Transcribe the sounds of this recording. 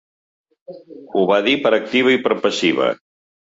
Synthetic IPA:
uβaðipəɾək̚t̪iβ̞əipəɾpəsiβə̰

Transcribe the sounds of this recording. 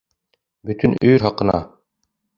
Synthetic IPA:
bɵ̆t̪ɵnɵjɾɦɒqɤ̆nɑ̰

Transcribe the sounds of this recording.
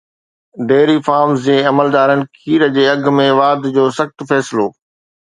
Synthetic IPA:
ɖeːɾifaːɾmzd͡ʑeːɐməld̪aːɾənɪ̆kʰiːɾəd͡ʑeːɐɡ̆ʱmẽʋaːɾd̪d͡ʑoːsɐxt̪fɛːsɪloː

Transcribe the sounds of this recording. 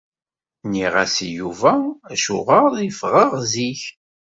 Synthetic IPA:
niʁæsijuvææʃuʁəðifʁəʁziç

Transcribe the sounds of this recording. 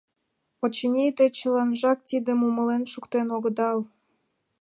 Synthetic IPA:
ot͡ɕənʲit̪et͡ɕəlɑnʒɑk̚t̪id̪əmuməlenʃukt̪enoɣə̆d̪ɑl

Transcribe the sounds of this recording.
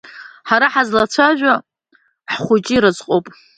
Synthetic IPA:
ħaɾaħazlat͡sʷʰaʒᶣʷa | ħχʷʊt͡ʃʼiɾɨzqʼowpʼ

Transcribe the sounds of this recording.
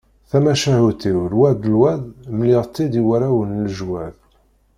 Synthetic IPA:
θæmæʃæhut̪iwlwæd̪əlwæðməliʁt̪ˤːid̪iwæɾæwənləʒwæð

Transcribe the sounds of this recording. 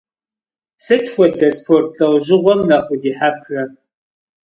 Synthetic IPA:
sɨtxʷɔdʰɐspʰortʰɬɐwʒɪʁʷɔmnɐχʷʊdiːħaprɐ

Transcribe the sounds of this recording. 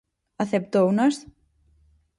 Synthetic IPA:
aθɛp̚t̪ownast

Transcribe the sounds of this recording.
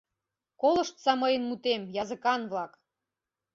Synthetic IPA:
kolˠɤ̆ʃt̪sɑmɤjənmut̪emjɑzə̆kɑnβlˠɑk

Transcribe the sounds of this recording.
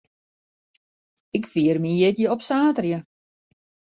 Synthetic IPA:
ɪkfiərmijɪtjəɔpsaːtrjə

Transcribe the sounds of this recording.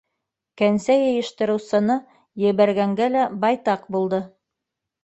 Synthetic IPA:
kænsæjɤ̆jɤ̆ʃt̪ɤ̆ɾɤ̆wsɤ̆nɤ | jɘ̆βæɾɡæŋɡælæbɑjt̪ɑqbulˠd̪ɤ

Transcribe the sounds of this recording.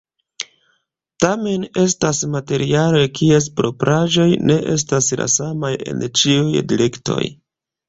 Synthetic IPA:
tame̞ne̞stasmate̞ɾialekʰie̞spɾo̞pɾʔaʒo̞jne̞ʔe̞s̬tasla̰samaje̞̰nt͡ʃiujdiɾe̞kto̞̰j

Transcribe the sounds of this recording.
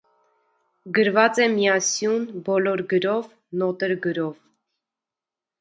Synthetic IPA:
ɡəɾvɑt͡sɛmiɑsjunbɔlɔɾɡəɾɔv | nɔt̪əɾɡəɾɔv

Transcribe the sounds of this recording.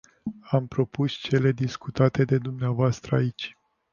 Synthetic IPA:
ampɾo̞pust͡ʃe̞le̞d̪iskut̪at̪e̞d̪e̞d̪umneavoast̪ɾəait͡ʃʲ

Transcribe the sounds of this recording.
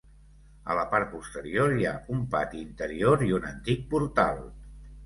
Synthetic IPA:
ə̰ləpaɾt̪̚pust̪əɾioɾja̰umpa̰t̪iint̪əɾioɾiunənt̪ik̚puɾt̪alˠ

